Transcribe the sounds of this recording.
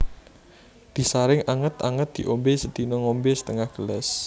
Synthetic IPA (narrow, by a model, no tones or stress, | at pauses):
d̪̥i̤saɾɪŋaŋət̪a̰ŋət̪̚d̪̥i̤ʔombesəd̪̥inɔŋombesə̥t̪əŋahɡ̥əlɛ̰s